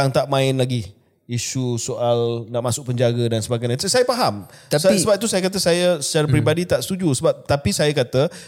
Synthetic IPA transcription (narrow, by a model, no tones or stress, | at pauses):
aŋt̪aʔmãɪnlaɡi | iʃusoʔalnaʔmasʊk̚pəɲd͡ʒaɡədansəbaɡajɲãsajapaɦam | t̪assəbap̚t̪usajakat̪əsajasə̥t͡ʃaɾap̬ɾibadit̪aʔsət̪ud͡ʒusəbap̚t̪apisajakat̪ə